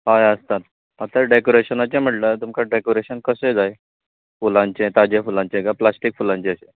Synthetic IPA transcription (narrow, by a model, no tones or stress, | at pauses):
ɦajəst̪at̪ | mat̪əɾɖekoɾeɕənat͡ɕẽm̤əʈlət̪umkʰaɖekoɾeɕənkəsed͡zaj | fulãɲt͡ɕet̪ad͡ʑefulãɲt͡ɕeɡaplasʈik̚fulãɲt͡ɕeəɕe